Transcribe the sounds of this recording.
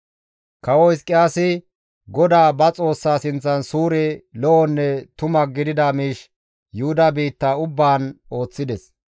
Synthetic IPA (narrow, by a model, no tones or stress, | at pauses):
kɐwɔɪskʼːɪjaːsɪ | ɡɔd̪aːbɐt͡sʼo̞ːsːaːsɪnt͡sːɐnsuːɾɛlɔʔɔnːɛt̪ʊmɐɡɪd̪ɪd̪ɐmiːʃ | jʊhʊd̪ɐbiːt̪ːaʊbːaːno̞ːt͡sːɪd̪ɛs